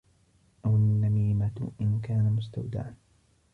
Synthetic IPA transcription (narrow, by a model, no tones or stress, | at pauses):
ʔawanːamiːmat̪ʔɪnkaːnamʊst̪a̰wd̪a̰ʕan